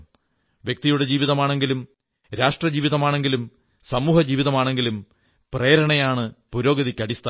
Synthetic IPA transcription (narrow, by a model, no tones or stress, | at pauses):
ʋjek̚t̪ijuɽe̞d͡ʑiːʋiðɐmaːɳe̞ŋɡilum | ɾaːʂʈrɐd͡ʑiːʋiðɐmaːɳe̞ŋɡilum | sɐmuːhɐd͡ʑiːʋiðɐmaːɳe̞ŋɡilum | preːɾɐɳɐjaːɳɨpuɾo̞ːɡɐðikʲːɐɽist̪ʰa